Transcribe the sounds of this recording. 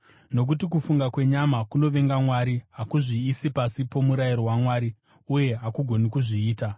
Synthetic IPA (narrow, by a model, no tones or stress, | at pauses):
no̞k̬utikufuŋɡakwe̞ɲamakuno̞ʋe̞ŋɡamwaɾiɦakuʐiːsipasipo̞muɾajiɾoɦwamwaːɾi | uje̞ɦakuɡʱo̞nikuʐiːta